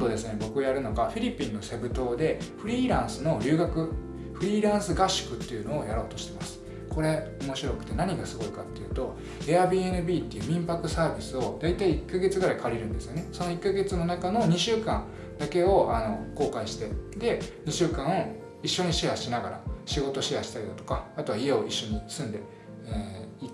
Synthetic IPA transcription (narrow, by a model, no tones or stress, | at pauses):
d̪o̞d̪e̞sɨne̞bo̞kɯojaɾɯ̟no̞ɡaɸʲiɾʲipʲːĩnːo̞se̞bɯ̟t̪o̞ːd̪e̞ɸɯ̟ɾʲiːɾãɰ̃sɨno̞ɾʲɨ̟ːɡakɯ̟ | ɸɯ̟ɾʲiːɾãɰ̃sɨɡaɕi̥kɯ̟t̪ːe̞jɯ̟no̞ːjaɾo̞ːt̪o̞ɕi̥t̪e̞masɨ̥ | ko̞ɾe̞o̞mo̞ɕiɾo̞kɯ̟̥t̪e̞naɲ̟iɡasɨɡo̞ikat̪ːe̞jɯ̟ːt̪o̞ | eabʲie̞nɯ̟bʲiːt̪ːe̞jiɯ̟ːmʲĩmpakɯ̟saːbʲisɨo̞d̪ait̪aiːkːaɡe̞t͡sɨɡɯɾaikʰaɾʲiɾɯ̟̃nd̪e̞sɨjo̞ne̞so̞no̞ikːaɡe̞t͡sɨno̞nakano̞ɲ̟iɕɨːkãn | d̪ake̞o̞ano̞ko̞ːkãĩɕi̥t̪e̞d̪e̞ɲ̟iɕɨːkãɰ̃o̞ | iɕːo̞ɲ̟iɕihaɕinaɡaɾa̰ɕiɡo̞t̪o̞ɕihaɕi̥t̪aɾʲid̪at̪o̞̥kaːt̪o̞βaie̞o̞iɕːo̞ɲ̟isɨ̃nd̪e̞ | eːi